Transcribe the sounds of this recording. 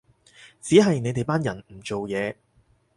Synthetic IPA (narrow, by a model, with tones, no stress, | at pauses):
t͡siː˨˥ɦɐ˨jne˨˧jt̪e˨jpaː˥njɐ˨˩nm̩˨˩t͡ʃo˨wjɛː˨˧